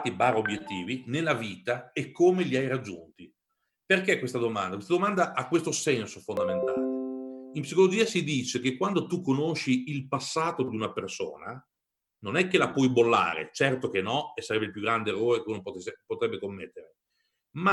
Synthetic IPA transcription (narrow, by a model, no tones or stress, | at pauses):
t̪ibaːɾobjet̪ːiːvinelːaviːt̪aekːomeliajɾad͡ʒːṵnt̪i | perkekwest̪ad̪omand̪akwest̪ad̪omand̪aʔakːwest̪osɛnsofond̪ament̪aːleimpsikolod͡ʒiːasid̪iːt͡ʃekekːwand̪ot̪ukːonoʃːiilpasːaːt̪od̪iunaperso̰ːna | nonɛkːelapwɔjbolːa̰ːɾḛt͡ʃɛrt̪ok̟enɔesːaɾɛbːeilpjuɡːɾand̪eerːoːɾekeunopoespot̪ɾɛbːekomːet̪ːeɾe | ma